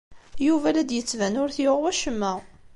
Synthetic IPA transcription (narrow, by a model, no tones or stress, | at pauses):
juvælæd̪jət͡sːvænʊɾθjoʁwæʃəmːæʁ